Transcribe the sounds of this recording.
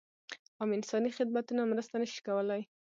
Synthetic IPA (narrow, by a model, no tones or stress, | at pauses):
amɪnsɑnixɪd̪̚mat̪unamɾəst̪anəʃi̥kawəlaj